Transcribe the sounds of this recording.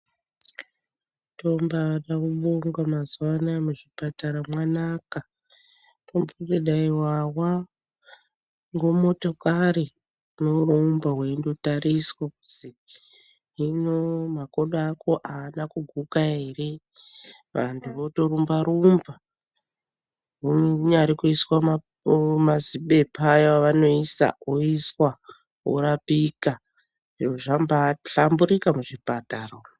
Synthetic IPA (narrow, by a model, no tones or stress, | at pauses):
to̞mbaʋaɗakuɓoŋɡwamazwanamuʐipataɾamwanaka | tombureɗaiwawa | ŋɡo̞mo̞to̞kaɾi | neuɾombaɦweindotaɾiswauzi | ɦinomakoɗakʰo̞ʔaːnakuɡʱukaɦe̞re̞ | ʋa̰ntʰuʋoto̞rumbaɾumba | ɦuɲaɾikuiswa | maziɓe̞pʰajaaʋano̞isa̰oiswa | ɦo̰ɾapika | ʐoʐambaɬambuɾikamuʐipataro